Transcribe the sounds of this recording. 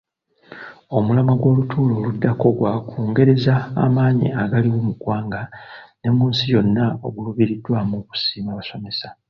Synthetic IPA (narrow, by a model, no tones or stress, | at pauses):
o̞mulamaɡwo̞ːlutʰuːlo̞ːludːako̞ɡwakʰuːŋɡe̞ɾe̞za̰ːmaːɲḭaɡaliwomuɡwaːŋɡane̞muːnsijo̞nːao̞̰ɡuluβiɾidːwamuku̥siːmaβaso̞me̞sḁ